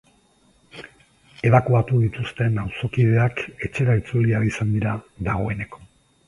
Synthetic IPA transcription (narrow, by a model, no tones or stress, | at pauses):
e̞β̞akuat̪uð̞it̪ust̪e̞nawso̞kiðe̞ake̞t͡ʃe̞ɾait͡suliaɾisand̪iɾaðaɣ̞o̞e̞ne̞ko̥